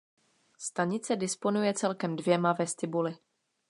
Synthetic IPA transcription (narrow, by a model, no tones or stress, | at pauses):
st̪aɲɪt͡sɛdɪspo̞nujɛt͡sɛlkɛmdvjɛmavɛst̪ɪbulɪ